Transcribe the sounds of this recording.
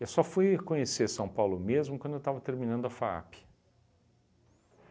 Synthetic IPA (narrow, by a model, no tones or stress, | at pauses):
ewsɔfujkõɲeseɾsɐ̃w̃pawlʊmezmʊkwɐ̃d̪ʊewt̪avɐt̪eɾmĩnɐ̃d̪ʊɐfaa̰pɪ̥